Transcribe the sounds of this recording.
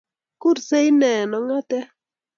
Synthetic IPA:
kʊ˦ɾse˦ɪ˦nɛ˨nɔ˨ŋa˦tɛ˦

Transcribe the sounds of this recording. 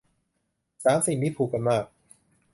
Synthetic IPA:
saː˩˦msi˨˩ŋtʰiː˥˩pʰuː˨˩kːa˨˧nmaː˥˩k̚

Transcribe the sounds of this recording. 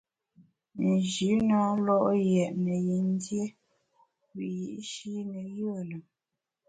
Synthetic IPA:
n̩˨ʒi˨˦na˨˦lɔ˦ʔjɛ˨ʔnə˨je˨n˦dje˦ | wi˨ji˨ʔʃi˦nə˨ɣə˦˨lə˨

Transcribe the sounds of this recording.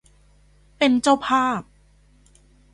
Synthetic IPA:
pe˧nt͡ɕa˥˩wpʰaː˥˩p̚

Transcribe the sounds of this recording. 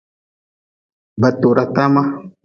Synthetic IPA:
ba˨t̪o˨ɾa˨t̪a˦ma˦

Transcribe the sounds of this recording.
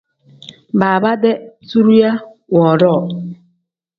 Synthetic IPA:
ba˨a˨ba˦de˦tu˦ɾu˦ja˦ | wɔ˨ɾɔ˦˨

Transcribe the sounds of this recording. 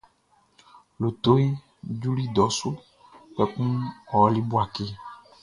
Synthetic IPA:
lo˨t̪o˦i˦ | d͡ʒu˦ɾi˦d̪ɔ˨˦su˦ | k͡pe˨kũ˦ɔ˨˦li˦bo˦a˨ke˦

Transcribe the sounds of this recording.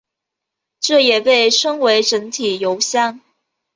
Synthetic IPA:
ʈ͡ʂɤ˥˩jɛ˨˩pe˥˩ɪʈ͡ʂʰɤ˥ŋwe˧˥ɪʈ͡ʂə˧˥ŋt̪ʰi˨˩jo˧˥ʊɕjɑ˥ŋ

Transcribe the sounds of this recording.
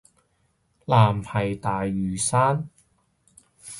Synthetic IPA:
laː˨mhɐ˨˩jt̪aː˨jːyː˨˩saː˥n

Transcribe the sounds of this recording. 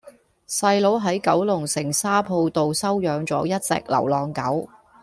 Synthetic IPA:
sɐ˧jlo˨˥wɦɐ˨˥jkɐ˨˥wlʊ˨˩ŋsɪ˨˩ŋsaː˥pʰo˧wt̪o˨wsɐ˥wjœː˨˧ŋt͡sɔː˨˥jɐ˥t̚t͡sɛ̰ː˧k̚lɐ̰˨˩wlɔː˨˩ŋkɐ˨˥w

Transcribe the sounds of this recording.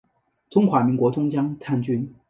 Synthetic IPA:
ʈ͡ʂʊ˥ŋxwa˧˥mi˧˥ŋkwɔ˧˥ʈ͡ʂʊ˥ŋt͡ɕjɑ˥ŋt͡sʰa˥˧nt͡ɕy˥n

